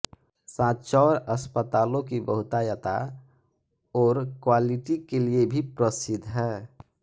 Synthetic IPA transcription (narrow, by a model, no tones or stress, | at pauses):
sãːt̪t͡ʃɔːɾəspət̪aːlõkibəɦʊt̪ajət̪a̰ | ɔːɾkwaliʈikeliebʱipɾəsɪd̪ʱɦɛː